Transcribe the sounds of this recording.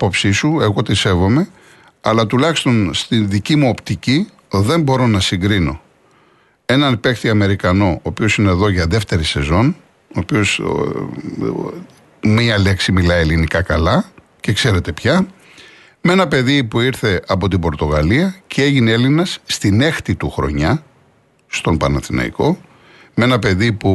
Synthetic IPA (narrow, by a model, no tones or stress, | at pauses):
popsisue̞ɣo̞t̪ise̞vo̞me̞ | ɐ̰lɐt̪ulɐçi̥st̪o̞nst̪inðicimuo̞pt̪ici | ðe̞mbo̞ɾo̞nɐsiŋɡɾino̞̰ | e̞nɐnpe̞kt̪iɐme̞ɾikɐno̞oːpio̞sine̞ːðoʝɐðe̞ft̪e̞ɾise̞zo̞n | oːpio̞s | mɲɐle̞ksimilɐielinikɐkɐlɐ | ce̞kse̞ɾe̞t̪e̞pçɐ | me̞nɐpe̞ðipuiɾθe̞ʔɐpo̞t̪imbo̞ɾt̪o̞ɣɐliɐceeʝineelinɐsːt̪ine̞xt̪it̪uxɾo̞̰ɲɐ | st̪o̞mpɐnɐθinɐ̰ḭko̞ | me̞nɐpe̞ðipu